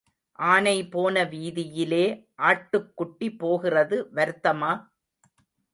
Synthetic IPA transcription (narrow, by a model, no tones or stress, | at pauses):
ʔaːnɐɪpoːnɐʋiːðɪjɪleːʔaːʈːɯkːʊʈːipːoːɣɪrɐðɯʋɐɾɯt̪ːɐmaː